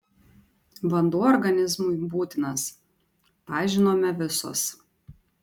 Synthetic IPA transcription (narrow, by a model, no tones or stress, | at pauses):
ʋɐnd̪uːɔɾɡɐnʲɪzmʊɪbuːt̪ʲɪnɐs | pɑːʒʲɪnoːmʲɛʋʲɪso̰ːs